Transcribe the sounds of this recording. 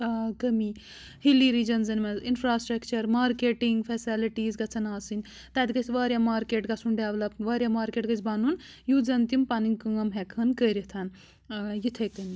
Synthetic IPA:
akɐmi | hiliɾiːd͡ʒɐnzɐnmɐzinpʰɾaːsʈɾɐkt͡ʃɐɾmaːɾkeːʈiŋɡfʰesiliʈiːzɡɐt͡sʰɐnaːsɨnʲ | t̪ɐd̪iɡɐt͡sʲʋaːɾʲjamaːɾkeːʈɡɐsʰuɳɖeʋlɐpʋaːɾʲjamaːɾkeːʈɡɐt͡ʃʰbaːnun | juːd͡zɐnt̪impaniŋkɨŋɐmɦekʰɐnkəːɾit̪ʰɐn | jit̪ʰekɐmi

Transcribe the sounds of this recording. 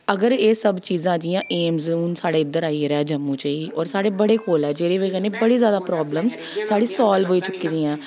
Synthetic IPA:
əɡəɾeːsəbt͡ʃiːzãːd͡ʒijãːʔeːmzəuːnsaːɽeːɪd̪əɾaːiɾɛːd͡ʒəmːũːt͡ʃaiːʔɔːɾsaːɽeːbəɽeːkoːlɛːd͡ʒeːɾeːʋeːkənẽːbəɽiːzjaːd̪aːpɾɔːbləmz | saːɽiːsɔːlbɦoːiːt͡ʃʊkːiːd͡ʒiːãː

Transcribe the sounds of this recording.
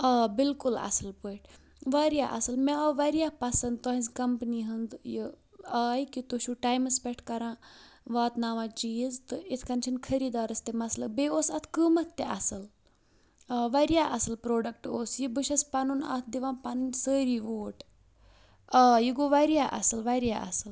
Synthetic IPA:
ɐːbilkulɐ̰sɨlpɨʈ | ʋaɾijaːʔɐ̰sɐlmeɐʋɐɾijahpɐsɐnd̪t̪ɐɦĩzkɐmpniɦɐnd̪ji | ɐːjkit̪uʃuʈaːjmɐspeʈʰkɐɾãːʋaːt̪naʋãːt͡ʃijizt̪ɨit̪ʰkɐnt͡ʃʰinkʰɐɾiːd̪aːɾɐst̪emɐslɐbeːoːsɐt̪ʰkəmɐt̪ʰt̪eʔɐsɨl | ɐːʋɐɾjaːʔɐsɨlpɾoːɖɐkʈoːsjibɨʃɐspɐnunɐ̰t̪ʰd̪iʋãːpɐnnsəːɾiːʋoːʈ | aːjiɡoʋɐɾjaːʔɐ̰sɨlʋɐɾjaʔɐ̰sɨl

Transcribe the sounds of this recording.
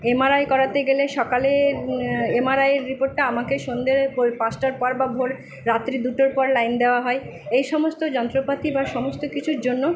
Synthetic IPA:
emaɾaekɔɾat̪eɡeleʃɔkaleɾemaɾajeɾːipoɾʈːaamakeʃond̪eɾpopasʈaɾpɔɾbabʱoɾ | ɾat̪ːɾid̪uʈoɾpɔɾlajnd̪eoaɦɔe | ejʃɔmost̪od͡ʑɔnt̪ɾopat̪ibaʃɔmost̪okit͡ɕʰuɾd͡ʑonːo

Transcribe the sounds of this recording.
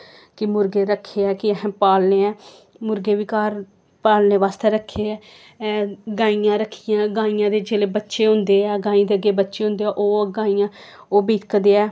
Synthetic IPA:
kɪmʊɾɡeːɾəkʰːeːɛːkɪɦːpaːlneːɛː | mʊɾɡeːʋiːkaːɾ | paːlneːʋaːst̪eːɾəkʰːeːɛː | ɡaːiːãːɾəkʰːijãːɡãːijãːd̪eːd͡ʒeːleːbətːʃeːɦʊ̃nd̪eːɛːɡãːĩd̪eːəɡeːbətːʃeːɦʊ̃nd̪eːɛːʔoːɡãːijãː | oːbiːkəd̪eːɛː

